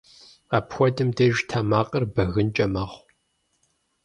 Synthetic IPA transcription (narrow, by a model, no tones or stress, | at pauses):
aːpxʷɔdɨmdeʒtʰaːmaːqʼɐrbɐɣɨnt͡ʃʼɐmɐχʷ